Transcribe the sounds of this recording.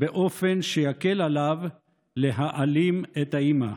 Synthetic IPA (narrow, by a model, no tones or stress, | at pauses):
beʔo̞fe̞nʃejakelalav | leɦaʔalimet̪haima